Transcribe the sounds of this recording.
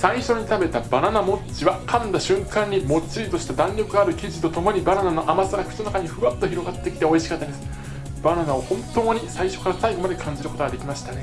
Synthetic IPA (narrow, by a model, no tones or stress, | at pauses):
sãɰĩɕo̞ɲ̟it̪abe̞t̪abananamo̞t͡ɕiβakʰãnd̪aɕɨ̃ŋkãɲ̟ːimo̞t͡ɕiɾʲit̪o̞ɕi̥t̪ad̪ãnɾʲo̞kɯ̟ɡaːɾɯ̟kʲiʑit̪o̞t̪o̞mo̞ɲ̟ibananano̞ʔamasaɡaçʲɯ̟̥t̪onakaɲ̟iɸɯ̟ɡat̪ːo̞çiɾo̞ɡat̪ːe̞kʲi̥t̪e̞o̞iɕi̥kat̪ːad̪esɨ̥ | b̥ananao̞hõ̞nt̪o̞moɲ̟isaiɕo̞̥kaɾasaiɡo̞mad̪e̞kʰãɲ̟d͡ʑiɾɯ̟ko̞t̪oad̪e̞kʲimaɕi̥t̪ane̞